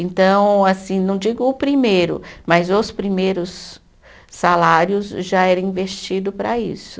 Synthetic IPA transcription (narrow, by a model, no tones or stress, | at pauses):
ẽnt̪ɐ̃w̃asĩnɐ̃w̃d͡ʒiɡʊʊpɾimejɾʊ̰mɐzʊspɾimejɾʊsː | alaɾjʊzʒaɛɾɐĩvest͡ʃid̪ʊpɾɐ̰ḭsʊ̥